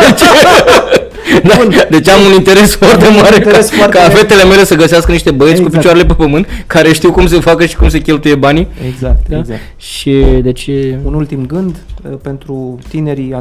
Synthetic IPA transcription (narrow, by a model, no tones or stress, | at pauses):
d̪et͡ʃe | d̪ad̪e̞t͡ʃamunint̪e̞ɾe̞sfoart̪emaɾekaskafe̞t̪e̞le̞me̞le̞səɡəseaskəniʃt̪e̞bəetsʲkupit͡ʃaɾele̞p̬epəmɨnt̪̚kʰaɾe̞ʃt̪iwkumse̞fakəʃi̥kumse̞kʲe̞lt̪uje̞banieɡzak̚d̪aza | ʃid̪e̞t͡ʃeunult̪imɡɨnd̪pe̞nt̪ɾut̪ine̞ɾi